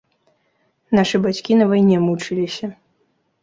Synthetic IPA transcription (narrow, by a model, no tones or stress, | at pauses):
naʂɨbat͡sʲkʲinɐvajnʲɛmut͡ʂɨlʲisʲɐ